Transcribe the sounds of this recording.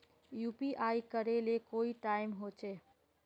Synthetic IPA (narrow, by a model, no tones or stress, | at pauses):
jupiʔajkəɾelekoiʈaimɦot͡ʃʰe